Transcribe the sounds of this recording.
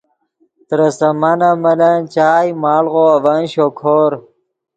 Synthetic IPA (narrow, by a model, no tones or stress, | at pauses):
t̪ɾɐsɐmanɐmɐlɐnt͡ɕaːjmaːlʁoɐvɐnɕokʰoːɾ